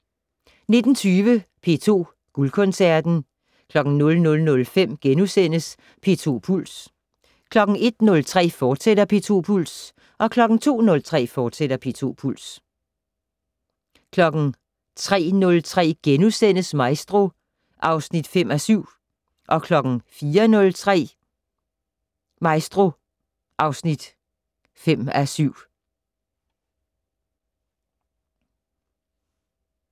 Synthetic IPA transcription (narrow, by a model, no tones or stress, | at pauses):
ne̝d̥n̩t͡sʰyːʋəpʰe̝̰t͡sʰo̝̰ː | ɡ̥ulkʰɔ̽nsæɐd̥n̩ | kʰlɒ̽ɡ̥ŋ̩nɔ̽lnɔ̽lnɔ̽lfem̰ɡ̥enusen̰əs | pʰe̝̰ːt͡sʰo̝̰ːpʰul̰s | kʰlɒ̽ɡ̥ŋ̩e̝d̥̚nɔ̽lt͡sʰʁɛ̰ːfɒːd̥sedɐpʰe̝t͡sʰo̝̰ːpʰul̰s | ʔɒ̽kʰlɒ̽ɡ̥ŋ̩t͡sʰo̝̰ːnɔ̽lt͡sʰʁɛ̰ːfɒːd̥seɾɐpʰe̝ːt͡sʰo̝̰ːpʰul̰s | kʰlɒ̽ɡ̥n̩ | t͡sʰʁɛ̰ːnɔ̽lt͡sʰʁɛ̰ːɡ̥enusen̰əsmɑ̈ɪsd̥ʁo̝ | ʔɑ̈ʊsnid̥fem̰æsyʊ̰ | ʔɒ̽kʰlɒ̽ɡ̥n̩fiːɐnɔ̽lt͡sʰʁɛ̰ | mɑ̈ɪsd̥ʁo̝ | ʔɑ̈ʊsnid̥ | fem̰æsyʊ̰